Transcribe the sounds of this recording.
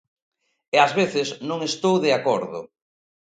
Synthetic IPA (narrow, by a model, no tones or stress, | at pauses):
eazβeθɪznõŋest̪owðeakoɾðʊ̰